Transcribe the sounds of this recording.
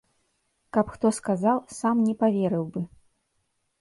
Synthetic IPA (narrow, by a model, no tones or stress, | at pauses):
kɐpxt̪ɔskazawsamnʲɛpavʲɛɾɨwbɨ